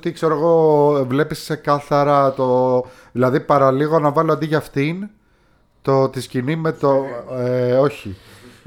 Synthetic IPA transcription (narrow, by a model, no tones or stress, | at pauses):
t̪ikse̞ɾoeɣo̞vle̞pisse̞kɐθɐɾɐt̪o | ðilɐðipɐɾɐliɣo̞nɐvɐloɐnd̪iʝɐɐft̪in | t̪o̞t̪iscinime̞t̪oeo̞çi